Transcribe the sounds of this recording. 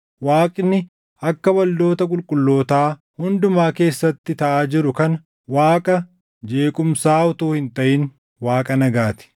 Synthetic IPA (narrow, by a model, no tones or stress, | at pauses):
waːkʼnːɪ | ɐkːɐbɐld̪o̞ːt̪ɐkʼʊlkʼʊlːo̞ːt̪aː | hʊnd̪ʊmaːke̞ːsːɐt̪ːɪt̪ɐʔaːd͡ʒɪɾʊkɐn | waːkʼɐ | d͡ʒe̞ːkʼʊmsaːʊt̪uːhɪnt̪ɐʔɪn | waːkʼɐnɐɡaːt̪ɪ̥